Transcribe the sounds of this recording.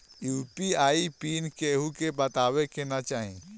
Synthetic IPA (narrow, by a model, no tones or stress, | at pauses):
juːpiaːipinkeɦukebɐt̪awekenat͡ʃaːɦḭ̃